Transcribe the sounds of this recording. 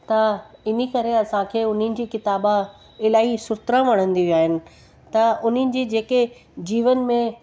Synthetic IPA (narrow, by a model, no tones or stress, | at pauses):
t̪ɐɪn̤ikɐɾeɐsãkʰeːʊn̤ənɪ̆d͡ʑiːkɪt̪aːba | ɪlaːɦisʊɾt̪ɾə̃ʋɐɽ̃ə̃nd̪iʋiaːɦɪnɪ̆ | t̪ɐʊn̤ənɪ̆d͡ʑiːd͡ʑeːke | d͡ʑiːʋənmẽ